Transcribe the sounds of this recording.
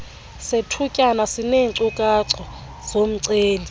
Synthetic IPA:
setʰukʼanasineːŋǀukʼaǀɔ | z̥om̩ǀeːli

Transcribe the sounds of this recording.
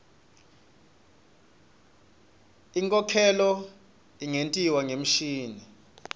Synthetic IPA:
iŋkʼɔkʰɛlɔ | iŋentʼiwaŋem̩ʃiːni

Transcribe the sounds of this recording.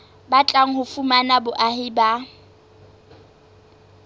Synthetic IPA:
bat͡ɬʼaŋ̩hʊfumanabʊʔahɪba

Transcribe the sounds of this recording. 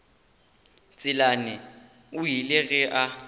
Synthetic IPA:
t͡sʼɪlanɪ | ʊjilɪɣɛʔa

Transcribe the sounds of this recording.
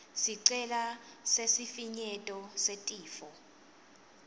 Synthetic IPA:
siǀɛlasesifiɲɛtʼɔsetʼiːfɔ

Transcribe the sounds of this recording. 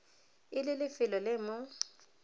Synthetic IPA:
ɪlɪlɪfɪlɔlɪmʊ

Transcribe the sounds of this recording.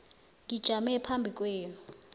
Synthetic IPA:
ŋɡid̥ʒ̥ʱamɛpʰambʱikʼweːnu

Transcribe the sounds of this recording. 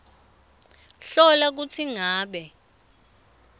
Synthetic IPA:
ɬɔlak̬ut͡sʰiŋaːɓɛ

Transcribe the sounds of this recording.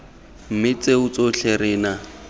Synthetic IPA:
m̩mɪt͡seʊt͡soɬerɪːna

